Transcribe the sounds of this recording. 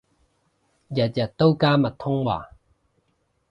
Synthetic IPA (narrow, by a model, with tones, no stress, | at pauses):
jɐ˨t̪̚jɐ˨t̪ːo˦wkaː˦mɐ˨t̪ʰːʊ˥ŋwa̰ː˨